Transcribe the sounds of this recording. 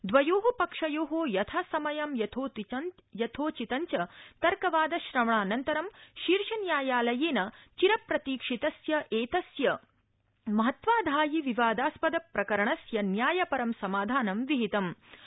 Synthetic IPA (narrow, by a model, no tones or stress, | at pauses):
d̪ʋɐjoːɦɐpɐkʂɐjoːɦoːjɐt̪ʰɐsɐmɐjɐmjɐt̪ʰoːtjɐt̪ʰoːt͡ʃit̪ɐɲt͡ʃɐt̪ɐɾkɐʋaːd̪ɐʃɾɐmɳaːnɐnt̪ɐɾɐmʃiɾʂɐnjaːjaːlɐjeːnɐt͡ʃiɾɐpɾɐt̪iːkʂit̪ɐsjɐʔeːt̪ɐsjɐ | mɐɦɐt̪ʋaːd̪ʱaːjiʋiʋaːd̪aːspɐd̪ɐpɾɐkɐɾɐɳɐsjɐnjaːjɐpɐɾɐmsɐmaːd̪ʱaːnɐmʋiɦit̪ɐm